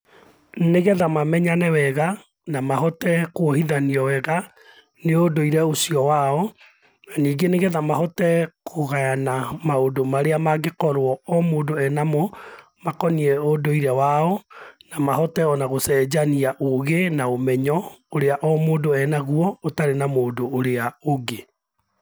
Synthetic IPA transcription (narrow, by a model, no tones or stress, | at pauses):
neɣɛðamamɛɲanɛwɛɣa | namahɔtɛkwohiðaniɔwɛɣa | neodoiɾɛosiɔwaɔ | naniːɡeneɣɛðamahɔtɛkʰoɣajanamaodomaɾeamaɡekɔɾwɔɔmoːdoɛnamɔ | makɔniɛodoiɾɛwaɔnamahɔtɛɔnaɣosɛːd͡ʑaniaʔoɣenaomɛɲɔoɾeaʔɔmoːndoɛnaɣuɔotaɾenamoːdoːɾeaoɡe